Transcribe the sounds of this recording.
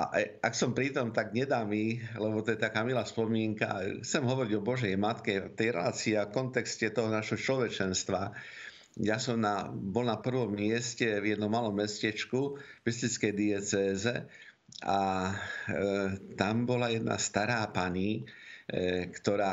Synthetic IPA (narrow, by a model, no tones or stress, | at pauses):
a̰ʔaksɔmpɾit̪ɔmt̪aɡɲɛd̪aːmilɛbɔt̪ɔjɛt̪akaːmilaːspɔmɪɛŋka̰xt͡sɛmɦɔʋɔɾiɟɔbɔʒɛjmat̪kɛt̪ɛjɾɛ̰laːt͡siafkɔnt̪ɛkscɛt̪ɔɦɔnaʃɦɔt͡ʃlɔʋɛt͡ʃɛnst̪ʋa | jasɔmnabɔlnapr̩ʋɔmːɪɛscɛvjɛd̪nɔmalɔmːɛscɛt͡ʃkumɛst̪it͡skɛjd̪iɛt͡sɛːzɛ | a | t̪ambɔlajɛd̪na̰st̪aɾaːpaɲi | kt̪ɔɾaː